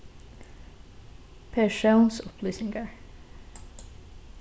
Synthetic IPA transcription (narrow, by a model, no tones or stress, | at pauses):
pʰeːʃaʊnsʊpʰlyːsɪŋɡəɹ